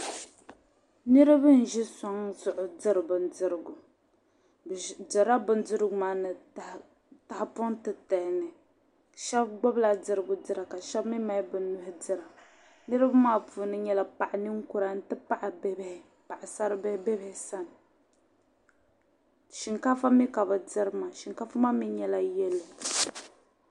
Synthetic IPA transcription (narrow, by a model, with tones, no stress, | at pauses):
nɨ˦ɾɨ˦bɨ˦n̩˨ʒi˦sa˨ŋzʊ˨ʔʊ˨dɨ˦ɾɨ˨bɨ˨n˦dɨ˨ɾɨ˨ɡʊ˨ | dɨ˨ɾa˦bʊ˨n˦dɨ˦ɾɨ˦ɡʊ˨˦maː˦nɨ˨ | ta˨ha˨pʊ˦ntɨ˨ta˨nɨ˨ | ʃa˦bɡ͡bɔ˦bla˨d͡zɨ˨ɾɨ˦ɡʊ˨dɨ˦ɾa˨ka˨ʃa˦bmi˦ma˦jbɨ˨˦nʊ˦hɪ˦dɨ˨ɾa˨ | nɨ˦ɾɨ˦ba˦maː˦puː˨nɨ˦ɲɛ˦la˨pa˨ʔa˨nɨ˦ŋ̩˦ku˦ɾa˨n̩˦tɨ˦pa˦ʔa˨bbhɪ˨ | pa˨ʔa˨sa˦ɾbbɛ˦bɪ˦hɪ˨sa˦n˨ | ʃi˨ŋka˦fa˦mi˦ka˨bɨ˨dɪ˦ɾɨ˦ma˨ʃi˨ŋka˦fa˦ma˦mi˦ɲɛ˦la˦jɛ˦lːɨ˨